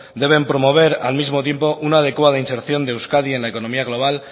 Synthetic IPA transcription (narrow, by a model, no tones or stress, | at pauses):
d̪e̞β̞e̞mpɾo̞mo̞β̞e̞ɾa̰lmizmo̞t̪̬je̞mpo̞ʔunaːð̞e̞kwað̞ainse̞ɾθjo̞nd̪ewskaðie̞nlaeko̞nõ̞miaɣ̞lo̞β̞al